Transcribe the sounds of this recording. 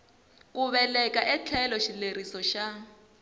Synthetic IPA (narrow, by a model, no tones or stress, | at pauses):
kuβɛlɛkʼaʔɛt͡ɬʰɛlɔʃilerisɔʃa